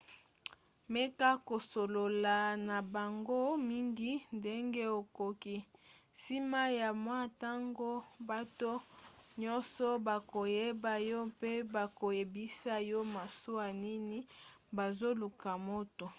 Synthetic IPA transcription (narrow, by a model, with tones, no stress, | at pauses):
me˦ka˦ko˨so˨lo˨la˨na˨ba˨ŋɡo˦mi˦ŋɡi˦nde˦ŋɡe˦o˨ko˨ki˦si˦ma˦ja˨mwa˦ta˦ŋɡo˦ba˦to˦ɲɔ˦nsɔ˦ba˨ko˨je˦ba˨jɔ˦pe˦ba˨ko˨je˨bi˦sa˦jɔ˦ma˨su˦a˨ni˦ni˦ba˨zo˦lu˨ka˨mo˦to˨